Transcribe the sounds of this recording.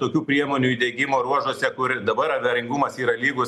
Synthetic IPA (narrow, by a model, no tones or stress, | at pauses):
t̪oːkʲuːpʲɾʲiɛmoːnʲuːiːd̪ʲɛɡʲɪmoːɾuɔʒoɔsʲɛkʊɾd̪ɐbɐɾɐʋʲɛɾʲɪŋɡʊmɐsiːɾɐlʲiːɡʊs